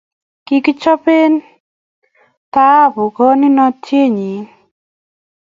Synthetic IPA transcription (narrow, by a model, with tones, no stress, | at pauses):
ki˦ki˦t͡ʃɔ˦pe˦n | t̪a˦˨bʊ˨ɡɔ˦nɪ˦nɔ˧tʰje˦ɲi˨˦